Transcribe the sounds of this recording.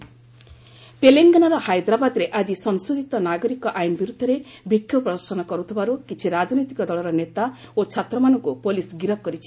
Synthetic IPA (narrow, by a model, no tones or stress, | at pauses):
t̪eleŋɡanɔɾɔhajd̪ɾabad̪ɾeʔad͡ʒisɔnsud̪ʱit̪ɔnaɡɔɾikɔʔajnbiɾud̪ʱːɔɾe | bikʰːjɔpɾɔd̪ɔɾsɔnɔkɔɾut̪ʰibaɾukit͡ʃʰiɾad͡ʒnojt̪ikɔd̪ɔlɔɾɔnet̪aot͡ʃʰat̪ɾɔmanɔŋkupolisɡiɾɔp̚kɔɾit͡ʃʰi̥